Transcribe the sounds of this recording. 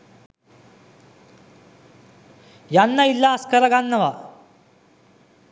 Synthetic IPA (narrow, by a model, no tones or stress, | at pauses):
janːɐilːaːskɐɾɐɡaːnːɐʋa